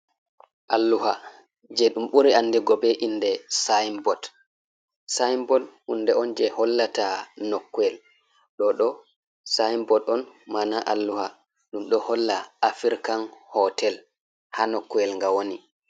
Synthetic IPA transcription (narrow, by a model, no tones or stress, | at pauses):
ʔalːuha | d͡ʒɛɗumɓuɾianːdɛɡɔbɛʔinːdɛsajmbɔt | sajmbɔthunːdɛɔnd͡ʒɛhɔlːatanɔkːuɛl | ɗɔɗɔ | sajmbɔtɔnmanaʔalːuha | ɗumɗɔhɔlːaafiɾkanhɔtɛl | hanɔkːuɛlŋɡawoni